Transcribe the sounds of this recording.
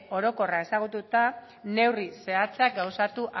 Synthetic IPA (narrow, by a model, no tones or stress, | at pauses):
o̞ɾo̞ko̞rae̞saɣ̞ut̪ut̪a | ne̞wrise̞at͡seak̚ɡawsat̪uʔa